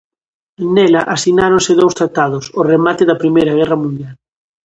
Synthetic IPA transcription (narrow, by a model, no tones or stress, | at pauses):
nɛlɐʔasinaɾõnsɪðowst̪ɾat̪aðʊsoremat̪ɪðɐpɾimejɾɐɣɛrɐmũnd̪jal